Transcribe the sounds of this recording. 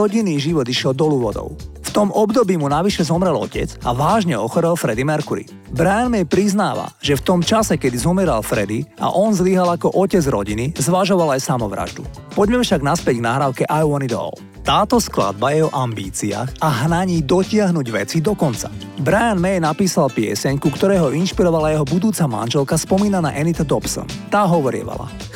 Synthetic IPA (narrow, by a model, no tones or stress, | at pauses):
ɔɟiniːʒiʋɔd̪iʃɪɛld̪ɔluːʋɔd̪ɔ̰ʊft̪ɔmʔɔbd̪ɔbiːmunaʋiʃɛzɔmɾɛlɔ̰cɛ̰d͡za̰ʋaːʒɲɛɔxɔɾɛlfɾɛd̪imɛɾkuɾḭ | bɾajanmɛjpɾiznaːʋa̰ʒɛft̪ɔmt͡ʃasɛkɛd̪izɔmɛɾalfɾɛd̪ia̰ʔɔnzliɦalakɔʔɔcɛd͡zɾɔ̰ɟinizʋaʒɔʋalajsamɔʋɾa̰ʒd̪ṵ | pɔɟmɛmfʃaɡnaspɪɛɟɡnaɦɾaːʊkɛʔajɔnid̪ɔ̰l | t̪aːt̪ɔskla̰d̪̚bajɛɦɔʔambiːt͡sia̰ːxaɦnaɲiːd̪ɔcɪaɦnuɟʋɛt͡sid̪ɔkɔnt͡sa | bɾajanmɛjnapiːsalpɪɛ̰sɛɲkukt̪ɔɾɛːɦɔʔinʃpiɾɔʋalajɛɦɔbud̪uːt͡sama̰nʒɛlkaspɔmiːnana̰ʔɛnit̪ad̪ɔpsɔ̰nt̪aːɦɔʋɔɾɪɛ̰ʋa̰la̰